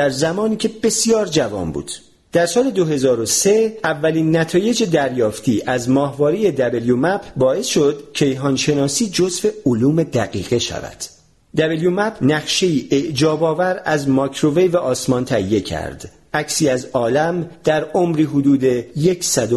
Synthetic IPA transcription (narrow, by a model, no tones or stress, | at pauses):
d̪æɾzæmɒːniːcʰe̞b̥e̞sijɒːɾd͡ʒævɒ̰ːmbṵːd̪̥ | d̪̥æɾsɒːle̞d̪oɦe̞zɒːɾo̞se̞ævːæliːnːæt̪ʰɒːje̞d͡ʒe̞d̪æɾjɒːft̪ʰiːʔæzmɒːhvɒːɾije̞d̪æbeljomæpʰbɒːe̞sʃo̞d̪cʰe̞jɦɒːnʃe̞nɒːsiːd͡ʒozve̞oluːme̞d̪æɣiːɣe̞ʃæ̰væ̰d̪̥ | d̪æbeljumæpʰnæχʃe̞jiːʔeʔd͡ʒɒːbɒːvæɾæzmɒkʰɾo̞vejvæʔɒːsmɒnt̪ʰæijːe̞cʰæ̰ɾd̪̥ | æcsiːæzɒːlæmd̪̥æɾomɾiːɦod̪uːd̪e̞jecʰsæd̪o